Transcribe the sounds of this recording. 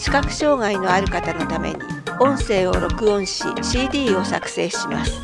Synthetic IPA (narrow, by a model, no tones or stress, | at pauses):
ɕi̥kakɯ̟̥ɕo̞ːŋaino̞aɾɯ̟kat̪ano̞t̪amḛɲ̟ḭõ̞ɰ̃se̞ːo̞ɾo̞kɯ̟õ̞ɰ̃ɕḭɕiːd̪ʲiːo̞sakɯ̟̥se̞ːɕima̰sɨ̥